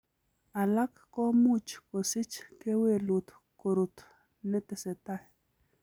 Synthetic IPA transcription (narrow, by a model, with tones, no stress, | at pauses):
a˨la˦kːo˦mu˦t͡ʃko˨si˦t͡ʃke˦we˦˨lu˨t̪ | ko˨ɾu˨t̪ | ne˦t̪e˨se˨t̪a˦˨h